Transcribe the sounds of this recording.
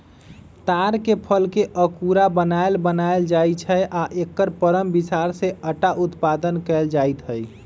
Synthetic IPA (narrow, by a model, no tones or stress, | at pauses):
t̪aɾkepʰəlkeʔəkuɾabənaelbənaeld͡ʒajt͡ʃʰəjʔaʔekːəɾpəɾəmbisaɾseəʈaʔut̪pad̪ənkɛld͡ʒajt̪ɦəj